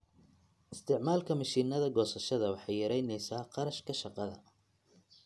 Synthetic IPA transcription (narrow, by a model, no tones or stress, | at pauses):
ʔɪst̪ʰɪʕmaːlkʰɐmɐʃiːnɐðɐɡɔːsɐʃɐðɐwɑħɑjjɐɾɛjnɛjsaːqɑɾɐʃkʰɐʃɑqɑðɐ̰